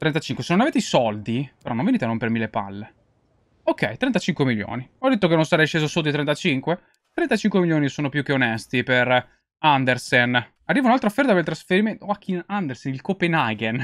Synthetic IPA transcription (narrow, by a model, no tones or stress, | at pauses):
t̪ɾɛnt̪at͡ʃiŋkwesenonaveːt̪eisɔld̪ipeɾɔnõɱveniːt̪enompermilːepa̰lːe | okːɛ̰jt̪ɾɛnt̪at͡ʃiŋkwemiljo̰ːniɔd̪et̪ːok̬enːonsaɾɛjʃːeːzosot̪ːoit̪ɾɛnt̪at͡ʃiŋkwe | t̪ɾɛnt̪at͡ʃiŋkwemiljoːnisoːnopjuk̟ːeonɛst̪iper | and̪ersen | arːiːvaunalt̪ɾoafːɛrt̪apelt̪ɾasfeɾiment̪oakʰːinand̪ersenilkopenaɡen